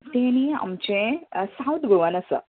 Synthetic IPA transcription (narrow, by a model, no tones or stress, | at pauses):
t̪eːniɐ̰mt͡ʃẽsawt̪ɡoʋɐnɐsɐ̰